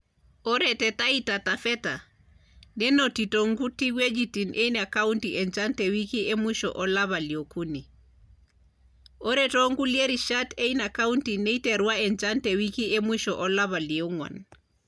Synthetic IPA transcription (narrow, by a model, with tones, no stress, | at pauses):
ɔ˦ɾɛtɛ˨ta˦ita˨ta˨fɛ˦ta | nɛ˦nɔ˨ti˨tɔŋɡu˦ti˦ɡwe˦d͡ʒiti˨nʔe˦ina˨ka˦untiʔɛ˨nd͡ʒa˦ntɛ˨wi˦ki˦ʔe˦mwi˦ʃɔ̰ʔɔ˦laβa˨li˨o˨ku˦ni˨ | ɔ˦ɾɛtɔ˦ŋɡu˦lie˦ɾi˨ʃate˦ina˨kauntine˦itɛ˨ɾwaɛ˨nd͡ʒa˦ntɛ˨wiki˦e˦mwiʃɔʔɔ˦la˦βa˨lio˦ŋwa̰˨n